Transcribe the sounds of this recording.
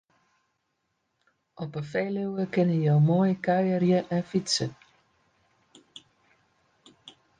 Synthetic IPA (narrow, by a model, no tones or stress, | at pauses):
ʔɔpəfejlywəkɪnəjowmoːjəkœɥərjəʔɛnfitsə